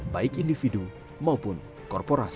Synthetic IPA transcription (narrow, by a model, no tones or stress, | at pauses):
baɪkindifidu | maupʊn | kɔrpoɾas